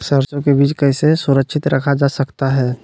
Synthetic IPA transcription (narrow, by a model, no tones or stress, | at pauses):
səɾsõkebiːt͡ʃkɛɦsesʊɾəkʃʰɪt̪ɾɐkʰad͡ʒaːsɐkt̪aɦɛː